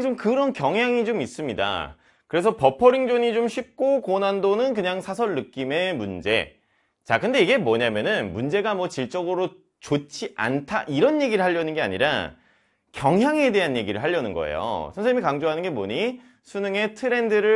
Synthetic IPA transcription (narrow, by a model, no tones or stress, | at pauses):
t͡ɕomkɯɾʌnkjʌŋɦjaŋid͡ʑomis͈ɯmɲida̰ | kɯɾe̞s̬ʰʌpʌpʰʌɾiŋd͡ʑoɲit͡ɕomɕʰip̚k͈okonandonɯnk̬ɯɲaŋsʰasʰʌɭːɯk͈ime̞mund͡ʑe̞̰ | t͡ɕakɯnde̞iɡe̞mwʌɲamjʌnɯnmund͡ʑe̞ɡamwʌt͡ɕiɭt͡ɕ͈ʌɡɯɾo | t͡ɕot͡ɕʰiʔa̰ntʰaʔiɾʌnje̞ɡiɾɯɭhaʎjːʌnɯnɡe̞a̰ɲiɾa | kjʌŋɦjaŋe̞de̞ɦanje̞ɡiɾɯ̰ɭɦaʎːʌnɯnɡʌ̰ḛjo̰sʰʌnsʰeɲimikaŋd͡ʑoɦanɯnɡe̞mo̰ɲi | sʰunɯŋe̞tʰɯɾe̞ndɯɾɯ